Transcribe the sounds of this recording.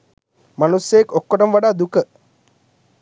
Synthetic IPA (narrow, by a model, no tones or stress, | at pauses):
manusːejːkokːoʈɐmʋaɖaːd̪ukə